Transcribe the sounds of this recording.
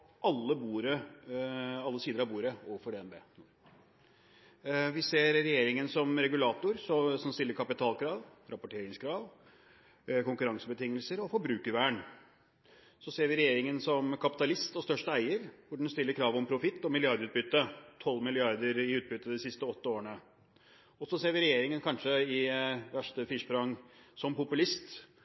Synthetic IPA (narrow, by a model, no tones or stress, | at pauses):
ʔɑlːəbuːɾə | ɑlːəsiːd̪əɾɑʋbuːɾəoːʋəfɔɖɛːɛnbḛːnuːɾ | ʋɪseːɾɾɛjeːɾɪŋənsɔmɾɛɡʉlɑːt̪ʊɾsɔsɔmst̪ɪlːəɾkʰɑpɪt̪ʰɑːlkʰɾɑːʋɾɑpʊʈʰeːɾɪŋskʰɾɑːʋ | kʊŋkʉɾɑŋsəbət̪ʰɪŋːəlsəɾɔfɔɾbɾʉːkəɾʋæːəɳ | sɔseːɾʋɪɾɛjeːɾɪŋənsɔmkʰɑpɪt̪ɑlɪst̪ɔst̪œʂʈəæɪəɾʋʊɖɛn̩st̪ɪlːəɾkʰɾɑːʋɔmpʰɾʊfɪt̪ːɔmɪlɪɑɾd̪ɾʉːt̪̚bʏt̪ːət̪ʰɔlːmɪlɪɑɾd̪əɾɪʉːt̪̚bʏt̪ːəd̪ɪsɪst̪əɔt̪ːəoːɾəɳə | ɔsɔseːɾʋɪɾɛjeːɾɪŋənkʰɑnʂəɪʋæʂʈəfɪʂpɾɑŋsɔmpʊpʉlɪst̪